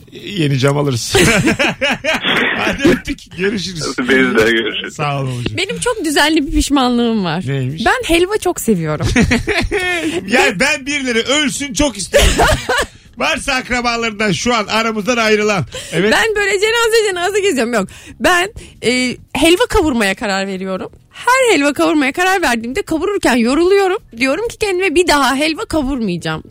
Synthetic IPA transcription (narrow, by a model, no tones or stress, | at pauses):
jenid͡ʒamalˠɯɾɯz̥ | ad̪øt̪ːicɟøɾiʃ̬iɾizbeizlɛɟøɾyʃysaːlˠolˠud͡ʒabe̞nimt͡ʃʰok̚d̪yzænlʲibipiʃmanlˠɯɯmvaɾ̥nejmiʃbænhɛlʲvat͡ʃʰo̞kse̞vijo̞ɾum | jaːnibænbiɾlʲe̞ɾɛʔølʲsynt͡ʃʰo̞kist̪eɾ | vaɾsaːkɾabanlˠaɾɯnd̪anʃuanaɾamɯzd̪ˠanajɾɯlˠanevɛbænbø̞jlʲɛd͡ʒe̞nazad͡ʒenazaɟezijo̞ɾumjok̚bænɛːhɛlʲvakʰavuɾmajakʰaɾaɾve̞ɾijo̞ɾum | hæɾhɛlʲvakʰavuɾmajakaɾaɾvæɾd̪iːmd̪ɛkʰaβuɾuɾcænjo̞ɾulˠujo̞ɾumd̪ijo̞ɾumcʰi̥cʰɛnd̪imɛbid̪aɦaɦɛlʲvakʰavuɾmɯjd͡ʒaːm